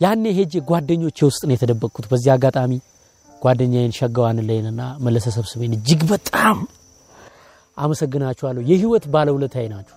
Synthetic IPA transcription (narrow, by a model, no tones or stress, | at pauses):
janːeɦed͡ʒeɡʷwad̪ːəɲːo̞t͡ʃːjɛwʊst̪ʼnəjɛt̪ʰəd̪əbːəkʰːut̪bəzːihaɡat̪ʼami | ɡ̥ʷad̪ːəɲːajɪnʃəɡːəwanɨləjnɨnːaməlːəsəsəβsɨβenɨd͡ʒːɨɡbət̪ʼam | ʔaməsəɡːɨnat͡ʃːɛhalːəhujɛhiwɔt̪baləhwulət̪ʰːajnat͡ʃːu̥w